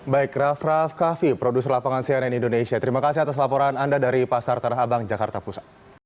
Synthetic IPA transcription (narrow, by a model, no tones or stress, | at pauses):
baikrafrafkafipɾodusərlapaŋansianɛnindonesiat̪əɾimakasihat̪as̬lapɔɾanandadaɾipasart̪anaɦabaŋd͡ʒakart̪apusḁ